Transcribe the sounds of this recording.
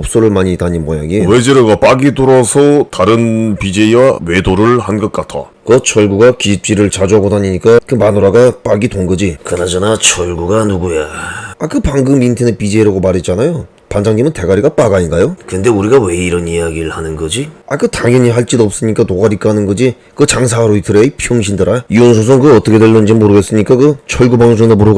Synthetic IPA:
ʌp̚s͈oɾɯɭmaɲitaɲinmʌja̰ɡiwed͡ʑeɾoɡap͈aɡidoɾʌsʰʌtaɾɯnpid͡ʑe̞iwawe̞doɾɯɭhanɡʌt̚k͈atʰa̰ | kʌt͡ɕʰʌɭɡuɡakip̚t͡ɕ͈iɾɯɭt͡ɕad͡ʑuɦaɡodaɲiɲik͈akɯmanoɾaɡap͈aɡitonɡʌd͡ʑikɯnad͡ʑʌnat͡ɕʰʌɭɡuɡanuɡujeakɯpaŋɡɯmintʰenɯpid͡ʑeiɾaɡomaɾet̚t͡ɕ͈anajo | pand͡ʑaŋɲimɯnte̞ɡaɾiɡap͈aɡaɲinɡajokɯnde̞uɾiɡawe̞iɾʌnijaɡiɾɯɭhanɯnɡʌd͡ʑiakɯtaŋjʌɲiɦaɭt͡ɕ͈idoʌp̚s͈ɯɲik͈atoɡaɾik͈anɯnɡʌd͡ʑi | kɯt͡ɕaŋs̬ʰaɾoitʰɯɾepʰjoŋɕʰindɯɾaiʌns̬ʰos̬ʰʌŋkɯʌt͈ʌkʰe̞dwelːond͡ʑemoɾɯɡe̞s͈ɯɲik͈akɯt͡ɕʰʌɭɡubaŋs̬ʰoŋdomuɾɯɡ

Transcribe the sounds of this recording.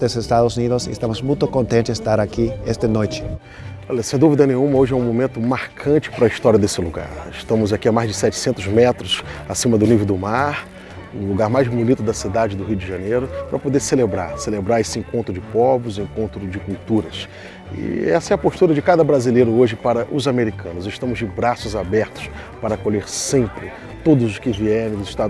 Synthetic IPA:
d̪ezɪst̪ad̪ʊzunid̪ʊsɪɪst̪ɐ̃mʊzmũj̃t̪ʊkõnt̪ẽnt͡ʃɪɪst̪aɾakiest̪ɪnojt͡ʃɪ̥ | ɔlɐsẽj̃d̪uvid̪ɐnẽj̃ũmɐoʒɪɛũmõmẽnt̪ʊmaɾkʰɐ̃nt͡ʃɪ̥pɾɐist̪ɔɾiɐd̪esɪluɡa̰ɾɪʃt̪ɐ̃mʊzakiamajzd͡ʒɪsɛt͡ʃɪ̥sẽnt̪ʊzmɛt̪ɾʊsasĩmɐd̪ʊnivewd̪ʊmaɾ | ʊluɡaɾmajzmulit̪ʊd̪ɐsid̪ad͡ʒɪd̪ʊɦijʊd͡ʒɪʒãnejɾʊpɾɐpod̪eɾselebɾa̰ɾselebɾaɾesɪẽŋkõnt̪ɾʊd͡ʒɪpɔbʊzẽŋkõnt̪ɾʊd͡ʒɪkuwt̪uɾɐs | ɪ̰ɛsɐɛɐpoʃt̪uɾɐd͡ʒɪkad̪ɐbɾazilejɾʊoʒɪpaɾɐʔʊzameɾikʰɐ̃nʊzɪʃt̪ɐ̃mʊzd͡ʒɪbɾasʊzabɛɾt̪ʊ̥spaɾɐkoʎeɾsẽmpɾɪ | t̪od̪ʊzʊskɪviɛɾẽj̃d̪ʊzɪʃt̪a

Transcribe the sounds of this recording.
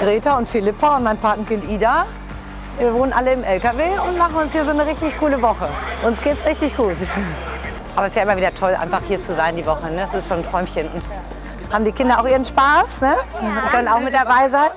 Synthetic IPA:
ɡ̥ʁeːtaʊntfɪlɪpʰaʊnt̚maɪnpʰaɐtn̩kɪntʔiːda | viːɐvoːnənʔaləɪmʔɛlkaveːʊntmaχn̩ʊnshiːɐzoːnəʁɪçtɪçkʰuːləvɔχəʔʊnsɡ̥eːtsʁɪçtɪçɡ̥uːt | ʔaːbɐɛsjaːʔɪmɐviːdɐtʰɔlʔa̰ɪnfaχhiːɐt͡suzaɪndiːvɔχənəɛsɪstʃoːntʁ̥ɔʏmçənʊ̰nt | haːbm̩diːkʰɪndɐaʊxʔiːʁənʃpaːsnəʊntkʰœnənaʊxmɪt̚d̥abaɪzaɪn

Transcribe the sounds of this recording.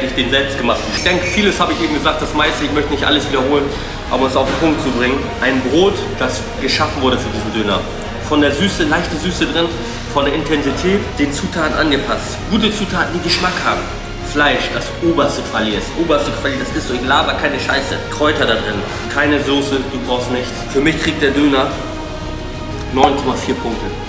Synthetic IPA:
təɪçd̥eːnzɛlpst̚ɡ̥əmaχtɪçd̥ɛŋkəfiːləshaːbəɪçʔeːbm̩ɡəzaːk̚t̚d̥asmaɪstəɪçmœçtənɪçtʔaləsv̥iːdɐhoːlən | ʔa̰bɐɛsaʊfm̩pʰʊŋk̚tt͡subʁɪŋən | ʔaɪnbʁoːt | d̥as | ɡ̥əʃafn̩vʊɐɾəfyːɐdiːzn̩dʏnɐ̰ | fɔndeːɐzyːsəlaɪçtn̩zyːsədʁɪn | fɔndeːɐʔɪntʰɛnzitʰɛːtd̥eːnt͡suːtʰaːtn̩ʔanɡəpʰastɡ̥uːtət͡suːtʰaːtn̩diːɡəʃmakhaːbm̩ | flaɪʃd̥asʔoːbɐstəkv̥alisʔoːbɐstəkʰv̥aliːdasɪstz̥ʊçlaːbɐkʰaɪnəʃaɪsə̰kʁ̥ɔʏtɐɾadʁɪn | kʰaɪnəzoːsəd̥uːbʁaʊstnɪçt͡sfyːɐmɪçtʁ̥iːk̚t̚d̥eːɐdøːnɐ | nɔʏnkʰɔmafiːɐpʰʊŋk̚tə

